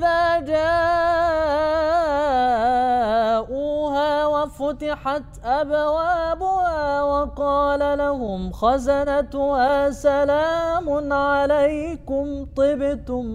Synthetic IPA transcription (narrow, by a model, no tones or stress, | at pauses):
ɪðaːd͡ʒaːʔ | ʔuːɦaːwafʊt̪ɪħat̪ʔabwaːbʊhaaːwɑqɑːlalaɦʊmxazanat̪ʊhaːsalaːmʊnʕalajkʊmt̪ˤɨbɪt̪ʊm